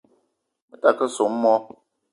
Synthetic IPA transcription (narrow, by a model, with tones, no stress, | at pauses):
mə˦ta˨kə˦so˨m̩˦mɔ˦